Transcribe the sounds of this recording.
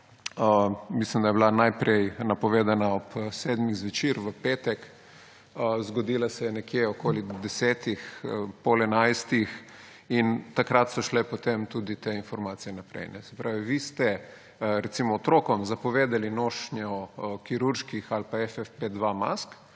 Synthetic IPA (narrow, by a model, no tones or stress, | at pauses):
əmislimd̪ajɛblanajpɾɛjnapɔʋeːd̪anaɔpsɛd̪miɣzʋɛt͡ʃiɾʋəpeːt̪ɛk | əzɡɔd̪ilasɛjɛnɛkjeɔkoːlid̪ɛsɛːt̪ixpɔlɛnajst̪ix | int̪akɾat̪sɔʃlɛpɔt̪emt̪ud̪it̪einfɔɾmaːt̪sijɛnapɾɛ̰jnɛ̰sɛ̥pɾaːʋiʋist̪ɛ | ɾɛt̪simɔːt̪ɾoːkɔmzapɔʋeːd̪alinoːʃnjɔkiɾuɾʃkixalpaɛfɛfped̪ʋama̰sk